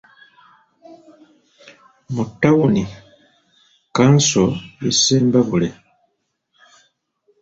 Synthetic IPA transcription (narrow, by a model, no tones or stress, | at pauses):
mutːawoni | kansojiseːmbaβule